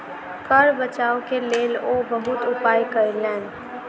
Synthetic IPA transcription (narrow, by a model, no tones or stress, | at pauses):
kəɾbət͡ʃaːokeleːloːbəɦʊt̪ʊpaːjkəɾilɛ̃ːn